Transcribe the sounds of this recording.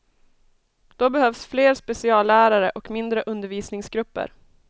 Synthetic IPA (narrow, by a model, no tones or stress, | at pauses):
d̪̥ɔbɛhœvsfleːɾspɛsɪɑːlæːɾaɾəʔɔkmɪnd̪ɾəʔɵnd̪əɾviːsnɪŋsɡɾɵpːə̰ɾ